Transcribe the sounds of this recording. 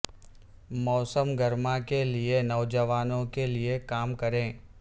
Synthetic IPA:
mɔːsəmɡɐɾmakelienɔʋd͡ʒəʋaːnõkeliekaːmkɐɾẽː

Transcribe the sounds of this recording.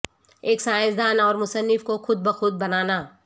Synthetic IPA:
eːksaːjɪsd̪aːnɔːɾmʊsənːɪfkoxʊd̪̚bəxʊd̪̚bɐnaːnaː

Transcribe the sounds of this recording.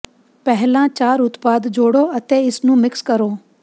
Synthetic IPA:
pɛɦlãːt͡ʃaːɾʊt̪paːd̪d͡ʒoːɽoːət̪eːɪsnũːmɪkskəɾoː

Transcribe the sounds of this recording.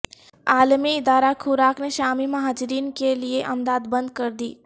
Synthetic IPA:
aːlmiɪd̪aːɾakʰʊɾaːkneʃaːmimɐɦaːd͡ʒɪɾiːnkelieʔɐmd̪aːd̪bɐ̃nd̪̚kɐɾd̪iː

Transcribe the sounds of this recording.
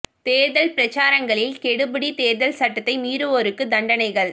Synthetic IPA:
t̪eːɾðɐlpɪɾɐt͡ʃːaːɾɐŋɡɐɭɪlkɛɽɯbɯɽit̪eːɾðɐlsɐʈːɐt̪ːɐɪmiːɾɯʋoɾɯkːɯd̪ɐɳɖɐnɐɪɣɐɭ

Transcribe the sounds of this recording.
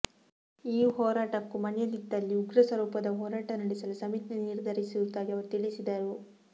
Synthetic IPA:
iːɦɔːɾaːʈɐkːumɐnjɐlit̪ːɐlːiuɡɾɐsɐɾuːpɐd̪ɐɦɔːɾaːʈɐnɐɽisɐlusɐmit̪neniɾd̪ʱɐɾisiut̪ːaːɡiɐʋɐɾut̪iɭisid̪ɐɾu

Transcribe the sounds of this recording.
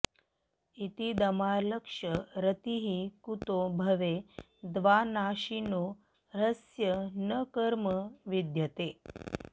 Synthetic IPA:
it̪id̪əmaləkʂəɾət̪iɦikut̪obʱəʋe | d̪ʋanaɕino | ɾəsjənəkəɾməʋid̪jət̪e

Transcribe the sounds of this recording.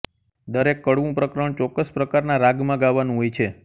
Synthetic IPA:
d̪əɾekːəɽʋũpɾəkɾəɳt͡ʃɔkːəspɾəkaɾnaɾaɡmãɡaʋːanũɦojt͡ʃʰe

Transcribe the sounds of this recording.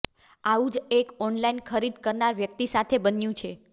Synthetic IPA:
aũd͡ʒekɔnlainkʰəɾid̪kəɾnaɾʋjək̚t̪isat̪ʰebənjũt͡ʃʰe

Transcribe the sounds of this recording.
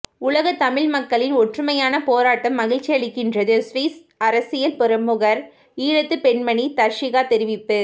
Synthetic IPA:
ʊlɐɣɐt̪ɐmɪɭmɐkːɐɭɪnɔʈrɯmɐjaːnɐpoːɾaːʈːɐmːɐɣɪɻt͡ʃːiɐɭɪkːɪndrɐðɯsʋiːs | ɐɾɐsɪjɐlpɔɾɐmːɯɣɐɾ | iːɻɐt̪ːɯpɛnmɐɳit̪ɐɾʂɪɣaːt̪ɛɾɪʋɪpːɯ

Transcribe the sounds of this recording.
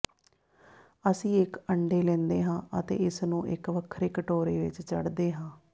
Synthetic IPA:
əsĩːɪkəɳɖeːlɛ̃ːnd̪eːɦãːət̪ḛːɪsnũːʔɪ̰kʋəkʰːɾeːkəʈoːɾeːʋɪ̰t͡ʃt͡ʃə̰ɽd̪eːɦãː

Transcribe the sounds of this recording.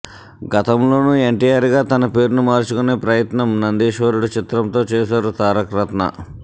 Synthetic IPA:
ɡɐt̪ɐmlo̞ːnue̞ɳʈiːjaːɾɡaːt̪ɐnɐpe̞ːɾunumaːɾt͡ʃukune̞ːpɾɐjɐt̪nɐmnɐnd̪iːʃʋɐɾuɽut͡ʃit̪ɾɐmt̪o̞ːt͡ʃɛːʃaːɾut̪aːɾɐkɾɐt̪nɐ̰

